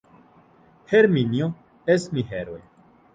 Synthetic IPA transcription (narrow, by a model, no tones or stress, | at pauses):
heɾminjo | esmiɦeɾoe